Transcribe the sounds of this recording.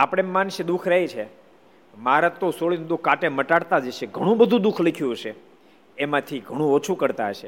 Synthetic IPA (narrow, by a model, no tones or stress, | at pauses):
apɽ̃emːanʃəd̪ukʰɾəɦit͡ʃʰe | maɾat̪osoɭind̪ukːaʈeməʈaɽt̪ad͡ʒeʃeɡʱəɽ̃ũbəd̪ʱũd̪ukʰlikʰjũɦəʃe | emãt̪ʰiɡʱəɽ̃ũot͡ʃʰukəɾt̪aɦəʃe